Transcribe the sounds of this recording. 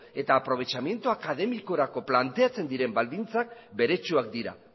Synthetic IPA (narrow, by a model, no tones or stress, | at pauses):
e̞t̪aːpɾo̞β̞e̞t͡ʃamje̞nt̪uakað̞e̞miko̞ɾako̞plant̪e̞at͡se̞nd̪iɾe̞mbald̪int͡sak̚be̞ɾe̞t͡ʃuak̚d̪iɾa̰